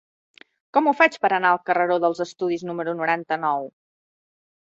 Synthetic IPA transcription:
kɔmufat͡ʃpəɾənaəlˠkərəɾoðəlˠzəst̪uð̞iznuməɾunuɾant̪ənɔw

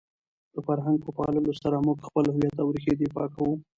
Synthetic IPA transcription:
d̪̥əfaɾɦaŋɡ̚pəpɑlaləʃt̪aɾɑmokxpəlhʊwjat̪ːawɾixed̪efɑ̰kawu

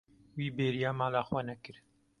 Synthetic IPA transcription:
wiːbeːɾijaːmaːlaːxwanɐkɨɾ

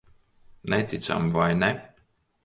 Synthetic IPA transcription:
nɛt̪it̪sa̰mvajnɛ

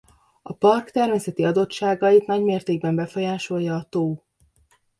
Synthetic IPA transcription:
ɒpɒrkt̪ɛrmeːsɛt̪iɒd̪o̞tʃaːɡɒjit̪nɒɟmeːrt̪eːɡ̚bɛmbɛfo̞jaːʃo̞jjːɒːt̪oː

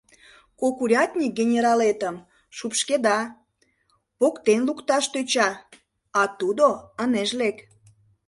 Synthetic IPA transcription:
kokuɾʲɑt̪ʲnʲik̚ɡʲenʲeɾɑlet̪əm | ʃupʃked̪ɑ | pokt̪enlukt̪ɑʃt̪øt͡ɕɑ | ɑt̪ud̪oəneʒlek

